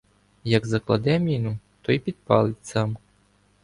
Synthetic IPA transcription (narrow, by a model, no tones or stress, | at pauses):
jɐɡzɐklˠɐ̰d̪ɛmʲinut̪ɔjpʲid̪̚pɑlˠɪtʲsɑm